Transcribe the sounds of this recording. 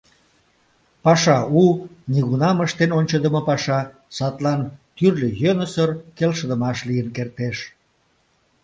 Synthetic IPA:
pɑʃɑuniɣunɑməʃt̪enonʲt͡ɕəd̪əməpɑʃɑ | sɑt̪lɑnt̪yrlʲøjønəsərkelʃəd̪əmɑʃlijənkert̪eʃ

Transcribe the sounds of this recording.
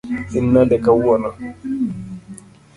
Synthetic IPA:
inːadɛkawwɔna

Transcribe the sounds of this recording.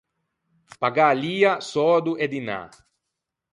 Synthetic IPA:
paɡaliːasɔːd̪uʔed̪ina̰

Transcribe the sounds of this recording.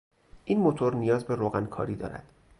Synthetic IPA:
ʔiːnmot̪ʰo̞ɾnijɒːzbe̞ɾoːɣænkʰɒ̰ːɾiːd̪ɒ̰ːɾæ̰d̪̥

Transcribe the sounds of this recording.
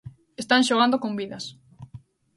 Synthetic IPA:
est̪anʃoɣ̞and̪okombiðɐs

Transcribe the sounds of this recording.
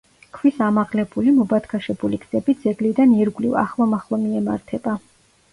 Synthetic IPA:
kʰwisamaʁlɛbulimɔbat̪kʰaʃɛbuliɡd̪zɛbid̪zɛɡlid̪aniɾɡlḭva̰χlˠɔmaχlˠɔmiɛma̰ɾt̪ʰɛba

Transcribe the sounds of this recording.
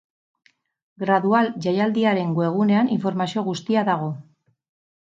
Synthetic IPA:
ɡɾaðualʝajald̪iaɾe̞ŋɡoe̞ɣ̞uneaniɱfo̞ɾmasio̞ɣ̞ust̪iaðaɣ̞o̞

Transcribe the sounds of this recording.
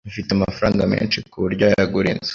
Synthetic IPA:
mfiteamafaɾaːŋɡamḛːnʃikuβuɾɟojaɡuɾḭːnz̥

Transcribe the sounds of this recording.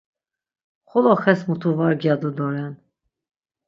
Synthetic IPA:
χɔlɔχɛsmut̪ʰuvaɾɡjad̪ud̪ɔɾɛn

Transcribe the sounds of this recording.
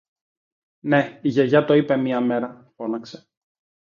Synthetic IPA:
ne̞iʝeʝɐt̪o̞ipe̞miɐmeɾɐ | fo̞nɐkse̥

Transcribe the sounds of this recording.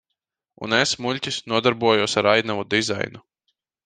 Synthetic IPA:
ṵnesmulʲtʲisnuɔd̪aɾbuɔjuɔsaɾajnavud̪iza̰jnu

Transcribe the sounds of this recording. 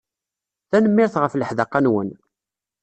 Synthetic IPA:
θænəmːɪɾθʁəfləħðəqːanwə̰n

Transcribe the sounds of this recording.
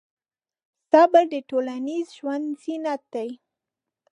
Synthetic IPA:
sɑbəɾd̪əʈolanizʒwand̪zinat̪̚d̪aj

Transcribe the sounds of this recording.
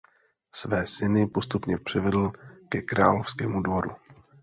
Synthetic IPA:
svɛːsɪnɪpo̞st̪upɲɛpr̝̥ɪvɛdl̩kɛkɾa̰ːlofskɛːmudvo̞ɾṵ

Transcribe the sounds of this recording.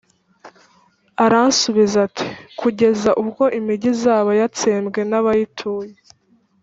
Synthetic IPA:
aɾansuβizatʰi̥kʰuɟe̞zaʔubɡo̞ʔimiɟizaːβajat͡seːmɡe̞naβajitʰuːje

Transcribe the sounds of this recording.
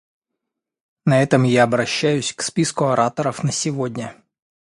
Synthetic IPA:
nɐɛt̪əmjaɐbɾɐɕːæjʉsʲkspʲiskʊɐɾat̪əɾəfnəsʲɪvodʲnʲə

